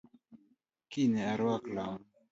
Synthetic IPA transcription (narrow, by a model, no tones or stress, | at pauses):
kineaɾwakla